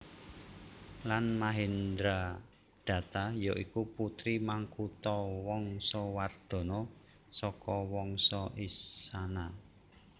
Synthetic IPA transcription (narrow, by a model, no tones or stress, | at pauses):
lanmaɦind̪ɾa | d̪̥ä̤t̪ajɔʔikuput̪ɾimaŋkut̪ɔwɔŋsɔward̪̥ɔ̤nɔ | sɔkɔwɔŋsɔʔisana